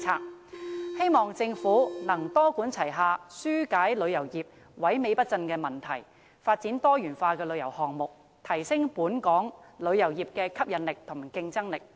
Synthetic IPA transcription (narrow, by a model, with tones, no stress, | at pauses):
t͡sʰaː˧k̚he˥jmɔː˨ŋt͡sɪ˧ŋfuː˨˥nɐ˨˩ŋt̪ɔː˥kuː˨˥nt͡sʰɐ˨˩jɦaː˧syː˥kaː˨˥jlɵ˨˧ɥjɐ˨˩wjiː˨˩p̚ | wɐ˨˥jme˨˧jpɐ˥t̚t͡sɐ˧nkɛː˧mɐ˨nt̪ʰɐ˨˩j | faː˧t̚t͡siː˨˥nt̪ɔː˥jyː˨˩nfaː˧kɛː˧lɵ˨˧ɥjɐ˨˩whɔː˨ŋmʊ˨k̚ | t̪ʰɐ˨˩jsɪ˥ŋpuː˨˥nkɔː˨˥ŋlɵ˨˧ɥjɐ˨˩wjiː˨p̚kɛː˧kʰɐ˥p̚jɐ˨˧nlɪ˨k̚t̪ʰʊ˨˩mkɪ˧ŋt͡sɐ˥ŋlɪ˨k̚